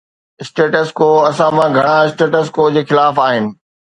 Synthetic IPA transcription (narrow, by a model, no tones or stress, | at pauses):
ɪsʈeːʈəskoːɐsãmãɡʱɐɽ̃aɪsʈeːʈəs̬koːd͡ʑeːxɪlaːfaːɦɪnɪ̆